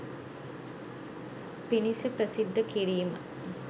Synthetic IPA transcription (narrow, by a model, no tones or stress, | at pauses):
pinisəpɾəsid̪ːəkiɾiːmə